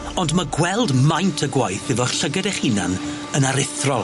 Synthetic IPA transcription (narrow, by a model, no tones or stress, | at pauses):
ɔndmaɡwɛlˠdmajntʰəɡwajθɪvɔχɬəɡɛdɛχhina̰n | ənaɾɪθrɔlˠ